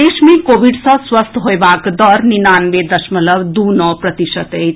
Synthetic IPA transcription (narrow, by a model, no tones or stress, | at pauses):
eːʃmẽkoːʋiɖsə̃swəst̪ʰɦojbaːkd̪ɔɾninaːnʋed̪ɐʃmələʋd̪uːnɔːpɾɐt̪iʃət̪e